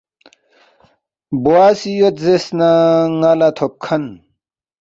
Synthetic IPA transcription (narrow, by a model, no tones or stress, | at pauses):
buaːsijot̪zesnaŋalat̪ʰop̚kʰɐn